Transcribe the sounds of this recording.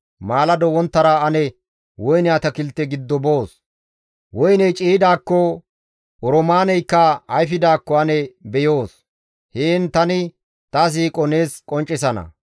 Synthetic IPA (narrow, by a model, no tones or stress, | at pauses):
maːlɐd̪ɔwɔnt̪ːɐɾaːɐnɛ | wɔjnɪaːt̪ɐkɪlt̪ːɛɡɪd̪ːɔbo̞ːs | wɔjnɛjt͡ʃʼiːd̪aːkːɔ | ɔɾɔmaːnɛjkːɐɐjfɪd̪aːkːɔɐnɛbɛjo̞ːs | heːnt̪ɐnɪ | t̪ɐs̬iːkʼɔneːskʼɔnt͡ʃʼːɪsɐnɐ̰